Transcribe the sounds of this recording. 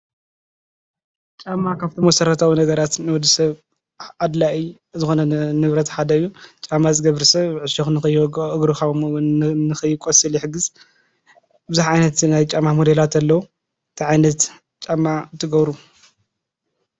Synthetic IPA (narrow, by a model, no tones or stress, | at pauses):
t͡ʃʼamːakʰaβt̪ʰimɐsɐɾɐt̪ʰawinɐɡɐɾat̪nɨwɔd̪ːisɐβ | ad̪laʔi | zɨxo̞nɐnɨβɾɐt̪ħad̪ɐɨjːut͡ʃʼamːazɨɡɐβɾsɐβʕɨʃɐxnɨxɨjɨɡɾuxa | nɨxɨjːɪkʼosʼɨljɪħɨɡɨz | bɨzaħʕajnɐt̪najt͡ʃʼamːamod̪elat̪ʰɐlːɐwu | t̪ʰiʕajnɐt̪ | t͡ʃʼamːat̪ʰːɨɡɐβɾu